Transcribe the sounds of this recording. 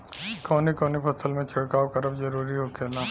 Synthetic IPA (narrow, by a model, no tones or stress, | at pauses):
kɔːnikɔːnipɐsəlmẽt͡ʃʰɐɽkaːwkɐɾəbzɐɾuːɾiɦokʰeːlaː